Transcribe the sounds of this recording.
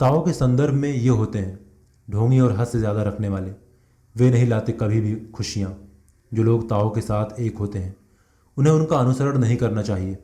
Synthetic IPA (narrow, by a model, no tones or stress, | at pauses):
t̪aːokesɐ̃nd̪əɾbʱmẽjeɦoːt̪eɦɛ̃ː | ɖʱõːŋɡiɔːɾɦɐssezjaːd̪aɾɐkʰneʋaːle | ʋenɐɦĩlaːt̪ekɐbʱibʱixʰʊʃijãː | d͡ʒoːloːɡt̪aːõkesaːt̪ʰeːkɦoːt̪eɦɛ̃ː | ʊnɦẽʊnkaɐnʊsəɾəɽ̃nɐɦĩkɐɾnat͡ʃaːɦieː